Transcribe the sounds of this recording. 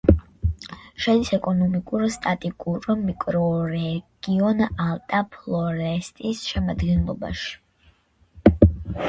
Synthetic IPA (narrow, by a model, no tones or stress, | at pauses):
ʃɛd̪isɛkʼɔnɔmikʼuɾst̪ʼat̪ʼikʼuɾmikʼɾɔɾɛɡ̥iɔnalˠt̪ʼapʰlˠɔɾɛst̪ʼisʃɛmad̪ɡɛnlˠɔba̰ʃi̥